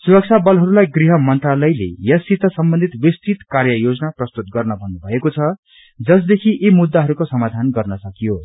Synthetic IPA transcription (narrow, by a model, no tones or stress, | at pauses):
suɾʌk̚t͡sʰabʌlɦʌɾulajɡriɦʌmʌnt̪ralʌjlḛjʌsit̪ʌsʌmbʌnd̪ʱit̪bist̪it̪karjʌjod͡zʌnaprʌst̪ut̪̚ɡʌrnʌbʱʌnːubʱʌekot͡sʰʌ | d͡zʌs̬d̪ekʰiʔimud̪ːaɦʌɾukosʌmad̪ʱanɡʌrnʌsʌkijo